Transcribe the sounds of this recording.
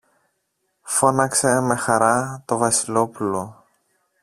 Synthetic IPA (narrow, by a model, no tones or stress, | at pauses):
fo̞nɐkse̞me̞xɐɾɐt̪o̞vɐsilo̞pulo̞